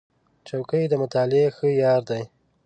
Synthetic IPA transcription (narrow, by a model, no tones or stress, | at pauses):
t͡ʃawkəjd̪əmʊt̪ɑlɪexəjɑɾd̪aj